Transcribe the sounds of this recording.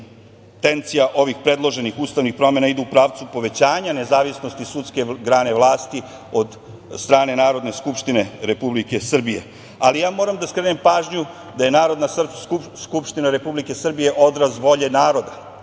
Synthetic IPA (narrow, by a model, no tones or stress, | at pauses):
t̪e̞nt̪sijaʔo̞ʋixpɾe̞d̪lˠo̞ʒe̞nixuːst̪aʋnixpɾo̞me̞naid̪uupɾaːʋt̪supo̞ʋe̞t͡ɕaːɲane̞zaːʋisnost̪isut̪ske̞ɡɾaːne̞ʋlˠaːst̪i | o̞d̪ | st̪ɾaːne̞naːɾo̞d̪ne̞skupʂt̪ine̞ɾe̞publike̞sr̩bije̞̰ | alijaːmo̞ːɾamd̪aiskɾenempaːʒɲu | d̪aje̞naːɾo̞d̪nasr̩skupʃt̪inaɾe̞publike̞sr̩bije̞ʔo̞d̪ɾazʋo̞ʎenaːɾo̞d̪a